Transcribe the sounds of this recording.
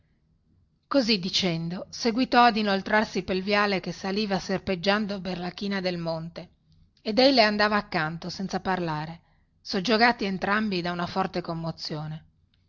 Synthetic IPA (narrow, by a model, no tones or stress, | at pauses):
kozid̪ːit͡ʃɛnd̪oseɡwit̪ɔad̪inolt̪ɾarsipelvjaːlekesaliːvaserped͡ʒːand̪operlak̟iːnad̪elmont̪eː | d̪ejleand̪aːvaːkːant̪osɛnt̪saparlaːɾe | sod͡ʒːoɡaːt̪ient̪ɾambid̪aunafɔrt̪ekomːot̪sːjoːne